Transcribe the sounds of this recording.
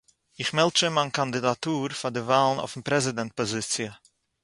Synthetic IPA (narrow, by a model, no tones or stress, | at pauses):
ɪχmɛlˠtt͡ʃəmankandɪdatuːɾfadɪvaːlˠn̩ɔ̰ʊfn̩pɾɛzɪdɛnt̚pɔzɪt͡sɪə